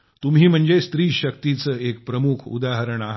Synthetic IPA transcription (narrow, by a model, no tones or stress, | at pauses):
t̪umɦiːm̤əɳd͡zest̪ɾiːɕək̚t̪it͡səek̚pɾəmukʰṵd̪aɦəɾəɳaɦ